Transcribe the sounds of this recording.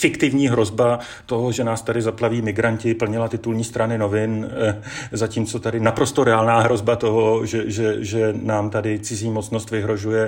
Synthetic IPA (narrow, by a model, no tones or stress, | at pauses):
fɪkt̪ɪvɲiːɦɾo̞zba | t̪o̞ɦo̞ʒɛnaːst̪adɪzaplaviːmɪɡɾaɲcɪpl̩ɲɪlat̪ɪt̪ulɲiːst̪ɾʔanɪno̞vɪn | zaciːmt͡so̞t̪adɪnapɾo̞st̪o̞ɾɛaːlnaːɦɾo̞zbat̪o̞ɦo̞ʒɛʒɛʒɛnaːmt̪adɪt͡sɪziːmo̞t͡sno̞st̪vɪɦɾo̞ʒujɛ